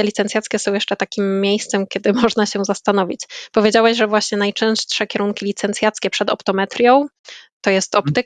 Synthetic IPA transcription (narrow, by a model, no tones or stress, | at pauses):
ɛlʲit̪sɛnt̪ʲat̪skʲɛsɔ̃w̃jɛʂt͡ʂɛt̪akʲimːʲejst̪sɛmkʲɛd̪ɘmɔʐnaɕɛzast̪anɔvʲit͡ɕpɔvʲjed͡ʑawɛʑʐɛvwaɕɲɛnajt͡ʂɛ̃w̃ʂʂɛkʲɛɾuŋkʲilʲit̪sɛnt̪sʲjat̪skʲɛpʂɛd̪ɔ̰pt̪ɔmɛt̪ɾʲjɔ̃w̃ | t̪ɔjɛst̪ɔpt̪ɘk̚